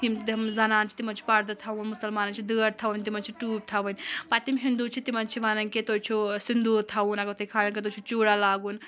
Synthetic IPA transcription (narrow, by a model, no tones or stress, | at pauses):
ɦimt̪ɐmzɐnaːnt͡ʃʰi̥t̪imɐnt͡ʃʰi̥pɐɾd̪ɐt̪ʰɐunmusɐlmaːnɐnt͡ʃʰid̪ɨəɾt̪ʰɐʋunʲt̪imɐnt͡ʃʰiʈuːb̚t̪ʰaʋunʲpat̪imɦind̪ut͡ʃʰit̪imɐnt͡ʃʰiʋanɐnket̪oːt͡ʃʰusind̪uɾt̪ʰaunɐɡɐt̪ʰɐjkʰalɐnket̪̬oːt͡ʃʰut͡ʃuɽalaːɡun